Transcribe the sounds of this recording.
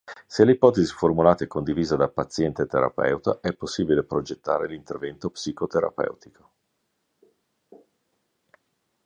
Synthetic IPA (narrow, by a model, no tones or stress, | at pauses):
selːeipɔːt̪eziformulaːt̪aɛkːond̪iviːzad̪apat̪sːjɛnt̪et̪eɾa̰pɛ̰ut̪a̰ʔɛpːosːiːbilepɾod͡ʒet̪ːa̰ːɾelint̪ervɛnt̪opsikot̪eɾa̰pɛ̰wt̪i̥kʰo̥